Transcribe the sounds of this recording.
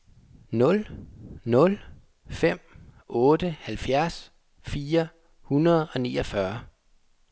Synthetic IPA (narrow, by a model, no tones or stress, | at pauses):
nɔ̽lnɔ̽l | fem̰ɔːd̥əhælfjæɐs | fiːɐ | hunɐð̞̩ˠɒ̽nḭːɒfɶɐ